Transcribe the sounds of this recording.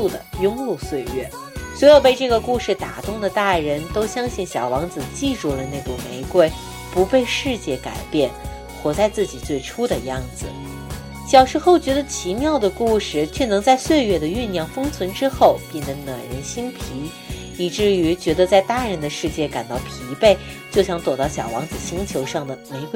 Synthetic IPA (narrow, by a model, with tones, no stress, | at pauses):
u˥˩d̪ə̰˩jʊ˥ŋlu˥˧swe˥˧ɪɥɛ̰˥˩ | swɔ˧˥ɪjo˨˩ʊpe˥˧ɪʈ͡ʂɤ˥˩ɡə˩ku˥˧ʂɻ̩˥˩t̪a̰˨˩t̪ʊ˥˩ŋd̪ə˩t̪a˥˩ɻə˧˥nt̪o˥ʊɕjɑ˥ŋɕi˥˩nɕjɑ˨˩ʊwɑ˧˥ŋt͡sɹ̩˨˩t͡ɕi˥˧ʈ͡ʂu˥˩lə˩na˥˩ku˨˩me˧˥ɪkwe˥˩ɪ | pu˧˥pe˥˧ɪʂɻ̩˥˧t͡ɕjɛ˥˩ka̰˨˩ɪpjɛ˥˩n | xwɔ˨˥t͡sa˥˧ɪt͡sɹ̩˥˩t͡ɕi˨˩t͡swe˥˩ɪʈ͡ʂʰu˥d̪ə˨jɑ˥˩ŋd͡zɹ̩˩ | ɕjɑ˨˩ʊʂɻ̩˧˥xo˥˩ʊt͡ɕɥɛ˧˥d̪ə˧t͡ɕʰi˧˥mjɑ˥˩ʊd̪ə˩ku˥˩ʂɻ̩˥˩t͡ɕʰɥɛ˥˩nɤ˧˥ŋt͡sa˥˧ɪswe˥˧ɪɥɛ˥˩d̪ə˩y˥˧njɑ˥˩ŋfɤ˥ŋt͡sʰwə˧˥nʈ͡ʂɻ̩˥xo˥˩ʊpjɛ˥˩nd̪ə˧˥nə˨˩ɻə˧˥nɕi˥ŋpʰi˧˥ | i˨˩ʈ͡ʂɻ̩˥˩y˧˥t͡ɕɥɛ˧˥d̪ə˧t͡sa˥˧ɪt̪a˥˩ɻə˧˥nd̪ə˧ʂɻ̩˥˧t͡ɕjɛ˥˩ka˨˩nt̪ɑ˥˩ʊpʰi˧˥pe˥˩ɪ | t͡ɕjo˥˩ʊɕjɑ˧˥ŋt̪wɔ˨˩t̪ɑ˥˩ʊɕjɑ˨˩ʊwɑ̰˧˥ŋd͡zɹ̩˨˩ɕi˥ŋt͡ɕʰjo˧˥ʊʂɑ˥˩ŋd̪ə˩me˧˥ɪk